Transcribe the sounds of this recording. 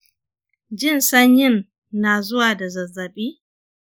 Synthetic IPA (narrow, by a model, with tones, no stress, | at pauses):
d͡ʒɪ˦nsɐ˦ɲjɪ˦˨nː | aː˨zʊ˦waː˨da˨zɐ˨zːɐ˨ɓiː˦